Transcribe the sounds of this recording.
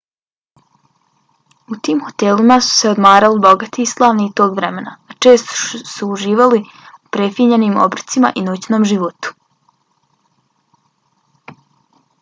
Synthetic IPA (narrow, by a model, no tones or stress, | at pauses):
ut̪iːmxo̞t̪elimasu̥se̞o̞d̪maːɾalibo̞ɡat̪iːslˠaːʋnit̪o̞ːɡʋɾe̞me̞na̰at͡ʃe̞ːst̪o̥ʃsuːʒiːʋali | upɾe̞fiɲenimo̰bɾ̩t̪sima̰ʔinut͡ɕnoːmʒiʋot̪u̥